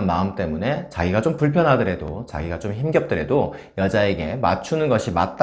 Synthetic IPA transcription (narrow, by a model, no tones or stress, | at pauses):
nmaɯmt͈e̞mune̞t͡ɕaɡiɡat͡ɕompuɭpʰjʌnɦadɯɾe̞do̰t͡ɕa̰ɡiɡat͡ɕomçimɡjʌp̚t͈ɯɾe̞do | jʌd͡ʑae̞ɡe̞ma̰t͡ɕʰunɯnɡʌɕʰima̰t̚t͈